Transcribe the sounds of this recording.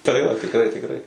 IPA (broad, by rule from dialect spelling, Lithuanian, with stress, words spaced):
tɐɪ ˈjoː tʲɪkˈrɐɪ tʲɪkˈrɐɪ